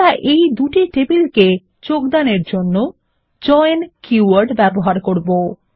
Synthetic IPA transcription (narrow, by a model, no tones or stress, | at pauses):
aʔejd̪uʈiʈebilke | d͡ʑokd̪aneɾd͡ʑonːo | d͡ʑɔjnkuaɾɖbɛboɦaɾkoɾbo